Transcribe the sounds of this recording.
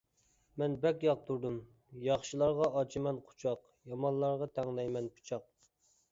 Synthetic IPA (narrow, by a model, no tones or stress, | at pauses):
mɛnbɛkʲjɑq̚t̪uɾd̪um | jɑχʃilˠɑɾʁɑɑt͡ʃʰimɛnqʰʊ̥t͡ʃʰɑq | jɑmɑnlˠɑɾʁɑt̪ʰɛŋlɛjmɛnpʰu̥t͡ʃʰɑq̚